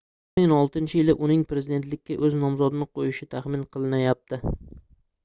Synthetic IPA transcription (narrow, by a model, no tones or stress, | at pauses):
ɪmɪŋɒlˠt̪ʰɪnt͡ʃʰɪɪlɪʔʊnɪŋpɾe̞zid̪e̞nt̪lɪkʲʰːaʔɵznɒmzɒd̪ɪnɪqʰojɪʃɪt̪ʰaχmɪnqʰɨlˠɪnajap̚t̪ʰɪ